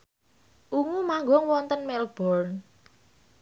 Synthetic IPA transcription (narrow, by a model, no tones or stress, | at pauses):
ʔuŋumaŋɡɔŋwɔnt̪ənmɛlb̥ɔrn